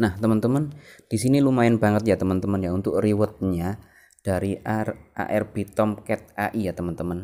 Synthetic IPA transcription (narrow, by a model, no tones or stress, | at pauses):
naht̪əmənt̪əmənd̥isinilumaɪnbaŋət̪̚jat̪əmənt̪əmənjaunt̪ʊkriwət̪̚ɲa | d̥aɾiʔara̰ʔɛrb̥et̪ɔmkɛt̪̚aʔijat̪əmənt̪əmən